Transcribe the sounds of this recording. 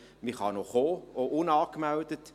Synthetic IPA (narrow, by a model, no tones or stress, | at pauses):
miχɑnoχoːoʔunɑːkmældət